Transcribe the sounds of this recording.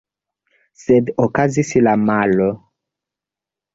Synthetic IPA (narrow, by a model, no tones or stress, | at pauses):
sɛd̪okazisilamalɔ